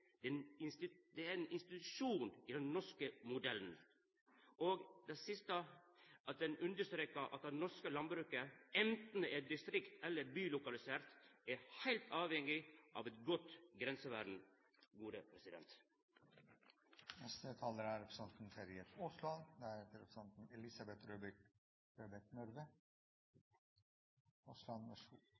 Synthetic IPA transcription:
d̪ɛnɪnst̪ɪd̪ɛæɾɛnɪnst̪ɪt̪ʉʂuːnid̪ɛnnɔʂkəmʊd̪ɛlːn̩ | oːɡd̪ɛsɪst̪əʔɑt̪̚d̪ɛnʉnd̪əʂt̪ɾeːkəʔɑ̰t̪dɛnɔʂkəlɑn̚bɾʉːkəɛnt̪n̩d̪ɛɛd̪ɪst̪ɾɪkt̪ʰɛlːəɾbyːlʊkɑlɪseːɾt̪æɾhæɪlt̪ʰɑːʋhɛŋːɪʔɑ̰ːʋɛt̪ɡɔt̪ɡɾɛnsəʋæ̰ɖɳ̩ | ɡuːd̪əpʰɾɛsɪd̪ɛ̰nt̪ | nɛst̪ət̪ʰɑːləɾæɾɛpɾəsɑnt̪n̩feɾɪət̪ʊslɑnd̪ɛæhet̪əɾɛpɾsɑnt̪n̩ɛlɪsɑbɛt̪ɾøb | ɾøbæknɔɾʋə | ʊslɑnmɛʂ

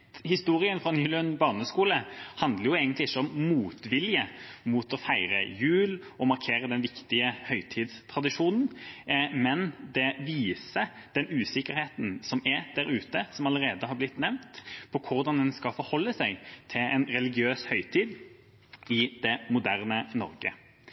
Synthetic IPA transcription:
hɪst̪uːɾɪənfɾɔnɪlənbɑʁnəskuːləhɑnd̪ləɾjʊeːɡənt̪lɪɪçːəɔmmuːt̪ʋɪljəmut̪ɔfæɪɾəjʉːlɔmɑɾkʰeːɾəd̪ɛnʋɪkt̪ɪəhœʏt̪ʰiːd̪st̪ʰʁɑd̪ɪʂuːnn̩mɛnd̪ɛʋiːsə | d̪̥ɛnʉːsɪkːəɾheːt̪n̩sɔmɛd̪̥æɾʉːt̪əsɔmɑləɾeːd̪əhɑɾblɪt̪nɛʋnt̪pʰɔkʰʊɾd̪ɑnd̪ɛnskɑfɔɾhɔlːəsæɪt̪ʰɪlɛnɾɛlɪɡɪøːshœʏt̪ʰiːd̪ | ɪd̪̥ɛmʊd̪æʁnənɔ̰ɾɡə̰

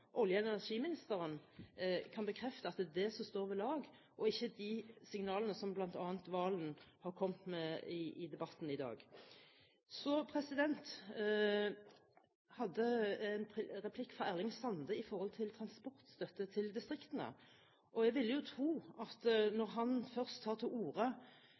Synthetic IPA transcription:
ʔɔljəɛnɛnæʁʂiːmɪnɪst̪əʁən | kʰɑnbəkʰɾɛft̪əɑt̪̚ɛd̪ɛsɔst̪oːɾʋɪlɑːɡ | ʔɔɪçːəd̪isɪŋnɑːlənəsɔmblɑnt̪ɑːnt̪ʋɑːlənhɑʁkʰɔmt̪mɛɪʔɪd̪ɛbɑt̪ːn̩ɪd̪ɑ̰ːɡ | sɔpʰɾɛsɪd̪ɛnt̪ | hɑd̪ːəɛnpʰɾɛpʰlɪkːfɾɑæʁlɪŋsɑnd̪əɪfɔʁhɔlt̪ʰɪlt̪ʰɾɑnspɔʁt̪st̪œt̪ːət̪ʰɪld̪ɪst̪ɾɪkt̪ənə̰ | ʔɔɛɡʋɪlːəjʊt̪ʰɾuːɑt̪nɔɾɦɑnfœʁst̪ʰːɑːʁt̪ʰɪluːɾə

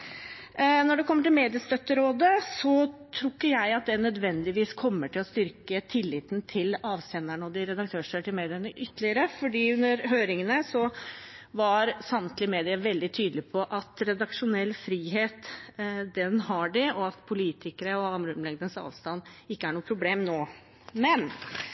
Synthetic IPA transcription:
nɔɖɛkʰɔmːəʈɪlmeːd̪ɪəst̪œt̪ːəɾoːd̪əsɔt̪ʰɾʊkːəjæɪɑt̪̚d̪ɛnœd̪ʋɛnd̪ɪʋiːskʰɔmːəʈɪlɔst̪ʏɾkət̪ʰɪlːɪːt̪nt̪ʰɪlɑːʋsɛnːæɳɔd̪ɪɾɛd̪ɑk̚t̪ʰøːʂəʈɪlmeːd̪ɪənəʔʏt̪ːlɪəɾəfɔɖiːʉnːəɾɦøːɾɪŋənəsɔ | ʋɑɾsɑmt̪ʰlɪmeːd̪ɪəʋɛld̪ɪt̪ʰyːd̪əlɪpʰɔʔɑt̪ɾɛd̪ɑkʂʊnɛlːfɾiːɦeːt̪d̪ɛnɦɑɖɪɔɑt̪pʰʊliːt̪ʰɪkəɾəɔɑmɾʉmlɛɡd̪ənsɑ̰ːʋst̪ɑnːɪkːəæɳuːəpʰɾʊbleːmnoː | mɛn

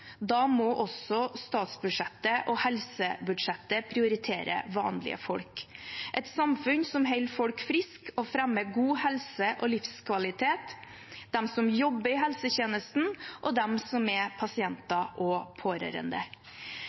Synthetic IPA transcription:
d̪ɑːmɔʔɔsɔst̪ɑːt̪sbʉdʂɛt̪ːəʔɔhɛlsəbʉd̪ʂɛt̪ːəpʰɾɪʊɾɪt̪ʰeːɾə̰ʋɑ̰ːnlɪ̰ə̰fɔlkʔɛt̪sɑmfʉnsɔmɦœɪlfɔlkfɾɪskɔfɾɛmːəɡuːhɛlsəʔɔlɪfskʰʋɑlɪt̪ʰeːt̪ | d̪ɛmsɔmjɔbːəɾɪɦɛlsəçeːnəst̪n̩ʔɔd̪ɛmsɔmɛpʰɑsɪɛnt̪ɑʔɔpʰoːɾœ̰ɾə̰nd̪ə

